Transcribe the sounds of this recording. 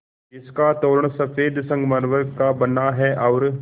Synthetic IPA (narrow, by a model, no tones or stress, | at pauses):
ɪskat̪oːɾəɳ̃sɐfʰeːd̪sɐ̃ŋɡmɐɾʋəɾkabɐnːaɦɛʔɐːɾ